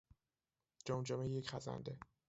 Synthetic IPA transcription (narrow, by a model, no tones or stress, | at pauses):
d͡ʒomd͡ʒomejjecχæzæ̰nd̪e